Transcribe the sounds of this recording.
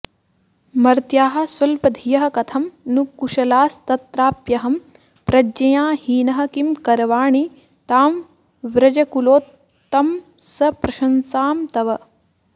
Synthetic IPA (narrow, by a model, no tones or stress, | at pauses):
mɐɾt̪jaːɦɐ̆sʋɐlpɐd̪ʱijɐɦɐ̆kɐt̪ʰɐmnukuʃɐlaːst̪ɐt̪ɾaːpjɐɦɐm | pɾɐd͡ʒɐjaːhiːnɐɦɐ̆kimkɐɾɐʋaːɳi | t̪aːm | ʋɾɐd͡ʒɐkuloːt̪ː | ɐm | sɐpɾɐʃɐnsaːmt̪ɐʋɐ